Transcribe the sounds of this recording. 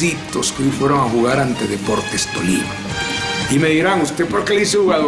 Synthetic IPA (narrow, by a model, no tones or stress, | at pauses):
it̪oskojfweɾoŋaxuɣaɾant̪e̞ðepo̞ɾt̪est̪o̞̰lḭma̰ | imeðiɾaŋust̪epoɾkeleðis̬exuɣal